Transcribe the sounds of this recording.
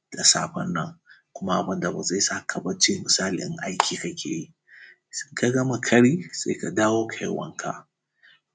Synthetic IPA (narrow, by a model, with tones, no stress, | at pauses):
d̥a˨sa̰ː˦ɸɐ˦nːɐ˨ŋkʷʊ˦ma˦ʔa˨bɐ˦nda˨ba˨za˦˨jsa˦˨kʰa˨bɐ˦t͡ʃɪ˦mɪ˨saː˦lɪ̰˨˦ʔa˦jkʲiː˨ka˦kʲʰḛː˨ji˦ | sɪ˦ŋka˨ɡɐ˦ma˨kʰɐ˦ɽiː˦sa̰˦jka˨daː˦woː˦kʰa̰˨˦˨wɐ̰˦ŋkʰa̰˨ʔ